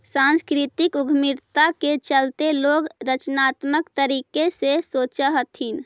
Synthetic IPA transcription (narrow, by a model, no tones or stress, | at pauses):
sãnskɾit̪ikuɡʱmiɾt̪aket͡ʃəlt̪eloɡɾət͡ʃnat̪məkt̪əɾikesesot͡ʃəɦət̪ʰin